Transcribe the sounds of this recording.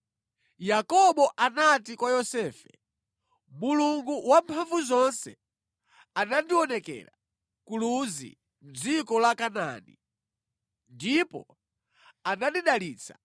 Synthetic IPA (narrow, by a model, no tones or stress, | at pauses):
jakɔɓɔʔanatikwajɔsɛːfɛ | muluŋɡuwampʰaɱvuzɔnsɛ | anandiɔnɛkɛ̰ɾa | kuluzḭ | m̩d͡zikɔlakana̰ni | ndipɔ | anaɗiɗaliːt͡sʰḁ